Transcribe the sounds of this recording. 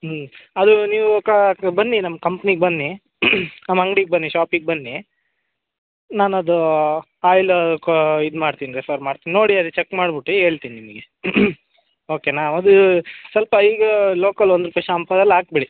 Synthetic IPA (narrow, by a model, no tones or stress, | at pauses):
ɐd̪uniːʋukɐbɐnːinɐmːɐkɐmpɐniɡ̚bɐnːi | nɐmːɐɐŋɡɽiɡ̚bɐnːiʃaːpiɡ̚bɐnːi | naːnɐd̪u | aːjlkid̪maːɽt̪iniɾipʰɐɾmaːɽt̪inino̞ːɽiɐd̪ɛt͡ʃekːmaːɽbiʈːueːɭt̪iːninimɐɡe | oːkenaːʋɐd̪usɐlpɐiːɡɐloːkɐlond̪ɾupɐʂɐɐmpɐd̪ɐlːaːk̚biɽi